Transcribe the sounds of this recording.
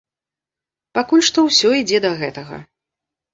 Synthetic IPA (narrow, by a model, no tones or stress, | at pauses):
pakulʲʂt̪ɔwsʲɔid͡zʲɛd̪ɐɣɛt̪ɐɣɐ̰